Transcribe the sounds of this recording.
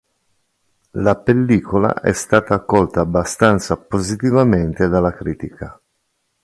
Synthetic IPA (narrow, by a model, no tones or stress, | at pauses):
lapelːiːkola̰ʔɛ̰st̪aːt̪aːkːɔlt̪aːbːast̪ant̪sapozit̪ivament̪ed̪alːakɾiːt̪ika